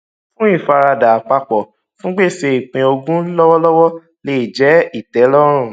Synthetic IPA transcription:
fũ˦i˦˨fa˧ɾa˧da˨a˨k͡pa˧k͡pɔ˨ | fũ˦ɡ͡be˦˨se˧i˨k͡pĩ˧o˧ɡũ˦lɔ˦wɔ˦lɔ˦wɔ˦ | le˦˨d͡ʒɛ˨˦i˦˨tɛ˨˦lɔ˦ɾ̃ũ˦˨

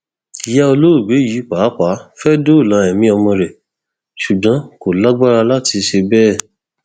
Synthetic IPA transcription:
i˨jɛ˦o˧lo˦ɾu˦˨ɡ͡be˨˦ji˨˦k͡pa˨˦k͡pa˨˦fɛ˦do˦˨lã˨˦ɛ˨mĩ˦ɔ˧mɔ̃˧ɾɛ˨ | ʃu˨ɡ͡bã˨˦ko˨la˦ɡ͡ba˦ɾa˧la˦ti˧ʃe˧bɛː˦˨

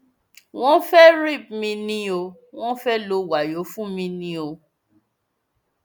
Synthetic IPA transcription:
w̃ɔ̃˦fɛ˦ɾi˦˨p̚mĩ˧nĩ˧o˧ | w̃ɔ̃˦fɛ˦lo˧wa˨jo˨˦fũ˦mĩ˧nĩ˧o˧

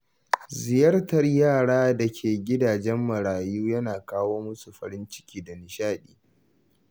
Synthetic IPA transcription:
zɪ˨jɐ˦rtɐ˨rjaː˦˨ɽaː˦dɐ˨kʲʰeː˨ɡʲɪ˦daː˨d͡ʒɛ˦mːɐ˨ɽaː˨juː˦jɐ˦naː˨kaː˦woː˦mʊ˦su˨ɸɐ̰˨ɾɪ˦nt͡ʃɪ̥˦kʲiː˦da˨nɪ˨ʃaː˦ɗiː˦

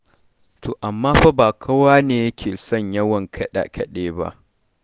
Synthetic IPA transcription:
tʰoː˨ʔa˨mːaː˦ɸa˦baː˨kʰɐ˦waː˦neː˨jɐ˦kʲʰeː˨sɔ˦˨ɲjɐ˦wɐ˨ŋkʰɐ˦ɗa̰˨kʰɐ˦ɗeː˦ba̰˦ʔ

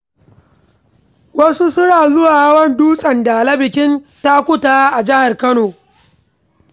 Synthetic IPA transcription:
wɐ˦su˦sʊ˦ɽaː˨zʊ˦waː˨˦wɐ˦nduː˦sʼɐ˨nda˨lɐ˦bɪ˨kʲɪ˦nta˦kʷʊ˦taː˦ʔa˨d͡ʒɪ˦ha˨rkɐ˦noː˨

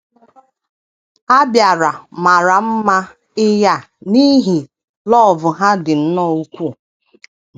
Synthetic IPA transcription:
a˦bja˨ɾa˨ma˨ɾa˨m̩˦ma˦ | ɪ˦ja˦˨ | ni˦ɦi˨ | lɔ˦˨vʊ˨ɦa˦dɪ˨n̩˦nɔ˦˨u˦kʷu˦˨

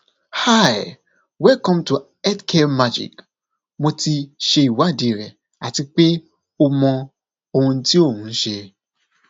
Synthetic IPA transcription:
ha˦˨j | wɛ˦lkɔ̃˦mtu˨ | ɛ˦tkʰɛ˦ma˦d͡ʒḭ˨k | mo˧ti˧ʃe˧i˨wa˨˦˨de˨˦ɾɛ˨ | a˨ti˧k͡pe˦ | o˧mɔ̃˧ | o˧˨hũ˧˦ti˦o˦˨hũ˨˦n̩˦ʃe˧

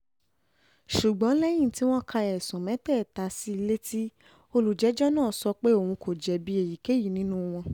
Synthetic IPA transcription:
ʃu˨ɡ͡bɔ̃˨˦lɛ˦j̃ĩ˦˨ti˦w̃ɔ̃˦kʰa˧ɛ˨sũ˨mɛ̃˨˦tɛ˦˨ta˧si˦i˧le˦tʰi˦ | o˧lu˨d͡ʒɛ˨˦d͡ʒɔ˦nãː˦˨sɔ˧k͡pe˦o˦˨wũ˧ko˨d͡ʒɛ˨bi˨˦e˨ji˨ke˨˦ji˦˨nĩ˦nũ˦w̃ɔ̃˧

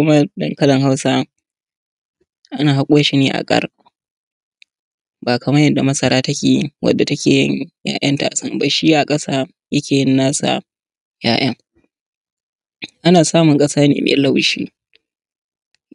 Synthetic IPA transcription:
ʊ˦mɐ˦dɐ̰˨ŋkɐ˦lɐ˨ŋɦa˦wsa˦ | ʔa˦naː˨ɦa˦kʷʼʊ˦jɐ˦ʃi˦neː˦ʔa̰˨kʼɐ̰˦r | baː˨kɐ˨mɐ˦jɐ˨dːa˨mɐ˦sɐ˨ɾaː˦tɐ˦kʲḛː˨˦wɐ̰˨dːa˨tɐ˦kʲeː˨jɪ˦ɲja̰ː˦ʔɐ˦nta̰ː˨sɐ˦mba˨ʃi˦ʔa˨kʼɐ˦saː˦ | jɐ˦kʲeː˨jɪ˦nːaː˦sa̰˨ | ja̰ː˦˨j̰ɐ˦ŋ | ʔa˦naː˨saː˦mʊ˨ŋkʼɐ˦saː˦nḛː˨mʔḛː˨lɐ˦˨wʃḭː˦

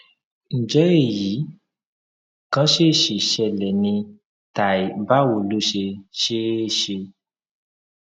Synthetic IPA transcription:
n̩˨d͡ʒɛ˨˦e˦˨ji˨˦ | kã˦ʃe˦˨ʃe˨ʃɛ˧lɛ˨nĩ˧ | ta˨i˨ba˦wo˧˨lo˦ʃe˧ʃe˦ʃe˧

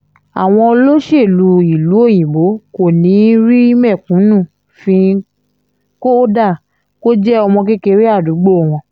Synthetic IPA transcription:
a˨w̃ɔ̃˧o˧lo˦ʃe˦˨lu˧˦i˨lu˨˦o˦˨j̃ĩ˨ɡ͡bo˨˦ko˦˨nĩ˨˦ɾi˦i˦mɛ˦˨kũ˨˦nũ˦˨ | fĩ˧ | ko˦da˦˨ | ko˦d͡ʒɛ˦ɔ˧mɔ̃˧k̬e˦ke˧ɾi˦a˦˨du˨˦ɡ͡bo˦˨w̃ɔ̃˧

